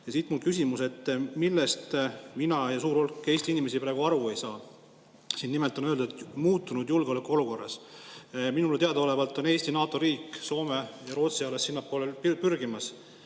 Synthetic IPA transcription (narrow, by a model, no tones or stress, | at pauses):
jɑsiːt̪mulkysʲimuse̞t̪ːˑmilːe̞st̪minɑjɑsuːɾo̞lkːˑe̞ːsʲt̪iinime̞sipɾæːɡ̥uɑɾue̞jsɑː | siːnːimelt̪ˑo̞nøld̪ud̪et̪muːt̪ːˑunud̪̥julɡ̥eo̞lekːuo̞luko̞rːɑ̰s | minulet̪eɑd̪̥ɑole̞vɑlt̪ːˑo̞ne̞ːsʲt̪inɑːt̪ˑo̞ɾiːkːˑso̞ːme̞jɑɾo̞ːt̪siɑlesːinːɑpːˑo̞ːlelpyrɡimɑs